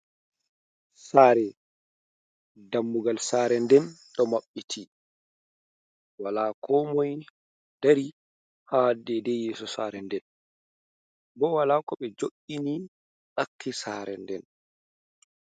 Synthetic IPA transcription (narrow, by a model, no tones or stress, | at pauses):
saːɾɛ | damːuɡalsaːɾɛndɛnɗɔmaɓːitʰi | walakʰɔmɔj | daɾi | hadɛdɛjɛːsɔsaːɾɛndɛn | bɔwalaːkɔɓɛd͡ʒoʔːini | ɗakːisaːɾɛ̰ndɛn